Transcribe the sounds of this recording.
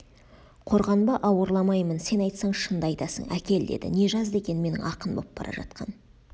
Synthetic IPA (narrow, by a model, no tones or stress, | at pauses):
qʰo̞ɾʁɑnbɑʔɑwəɾlˠɑmɑjmənse̞nɑjt̪sɑɴʃənd̪əɑjt̪ɑsə̰ɴʔæ̰kʲe̞ld̪e̞̰d̪ɪ̰ne̞ʒɑzd̪e̞kʲe̞nme̞nɪ̰ŋɑqənbop̚b̥ɑ̰ɾɑ̰ʒɑ̰t̪qʰɑ̰n